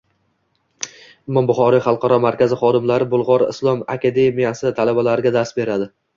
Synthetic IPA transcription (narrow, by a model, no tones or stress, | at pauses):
ɪmːɒnbʊχɒɾijχɑlˠqʰɑɾɒmaɾkʲazɪχɒd̪ɪmlaɾɪbʊlˠʁɒɾɪ̰slˠɒmakʲʰad̪e̞mijasɪt̪ʰalabalaɾɪɡʲad̪aɾsbe̞ɾad̪ɪ